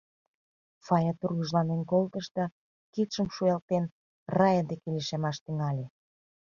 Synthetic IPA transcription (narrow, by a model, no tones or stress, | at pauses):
fɑjɑt̪urɣəʒlɑnenkolt̪əʃt̪ɑ | kit̪ʃəmʃujɑlt̪en | rɑjəd̪ekeleʃemɑʃt̪yŋɑlʲe